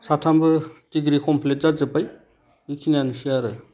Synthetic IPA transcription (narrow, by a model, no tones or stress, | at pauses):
satʰambɯtiɡɾikʰɔmpʰlet̚zazɯpaj | ikʰinanusiaɾɯ